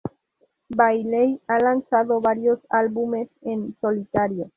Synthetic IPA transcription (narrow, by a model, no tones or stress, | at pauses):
bajlejalant͡saðoβaɾio̞salβume̞senso̞lit̪aɾio